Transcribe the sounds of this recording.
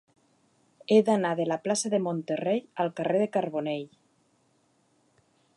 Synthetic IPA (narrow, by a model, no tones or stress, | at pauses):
ed̪anaðelaplasaðemont̪ereʎalˠkareðekaɾβoneʎ